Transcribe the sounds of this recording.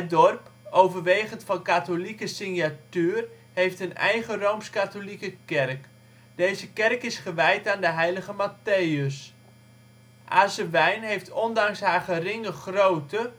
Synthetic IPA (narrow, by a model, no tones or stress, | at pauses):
ədɔrpowvərʋejχəntfɑnkatolikəsɪnjatyːr | hejftənɛ̰jχərowmskatolikəkɛrk | dejzəkɛrkɪsχəʋɛjtaːndəɦɛjləχəmatejəs | ʔaːsəʋɛjnɦejftʰɔndɑŋsɦaːɹχərɪŋəχrowtə